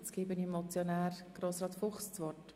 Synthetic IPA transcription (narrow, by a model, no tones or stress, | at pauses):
t͡skɪbənimmɔt͡sjonæːɾɡ̥ɾoːsɾɑːt̪fʊχst͡sʋɔt